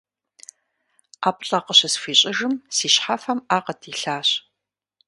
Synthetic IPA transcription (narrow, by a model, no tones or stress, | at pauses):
aːpʼɬʼɐqəɕɐsfiːɕʼɪʒɨmsiːɕħafɐmaːqədʰiːɬaːɕ